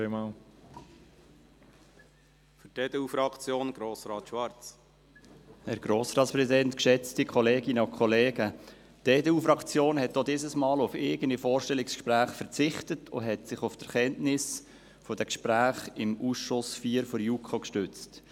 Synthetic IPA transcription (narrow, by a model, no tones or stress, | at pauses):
emɑːl | fyted̥eufɾɑkt͡sjoːnɡ̥ɾoːsɾɑːt̪ʃʋɑɾt͡s | hɛɾɡ̥ɾoːsɾɑːtspɾɛsidɛntkʃɛt͡stikʰχɔleːɡɪnəʊkʰχɔleːɡə | teːdeufɾɑkt͡sjoːnhɛt̚dodɪzəsmɑːlʊfɪɡənifɔːɾʃtɛlɪkskʃpɾæːχfəɾt͡sɪχtətʰʊ̰ɦɛtsɪχʊfd̥əɾχɛntnɪs | fodækʃpɾæːχɪmuːsʃʊsfiːəɾfɔɾjukʰokʃtʏt͡st